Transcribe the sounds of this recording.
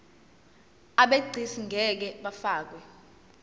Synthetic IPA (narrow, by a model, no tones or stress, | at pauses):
aɓeɡ͡ǀʱisiŋʱɛk̬ɛɓafaːk̬wɛ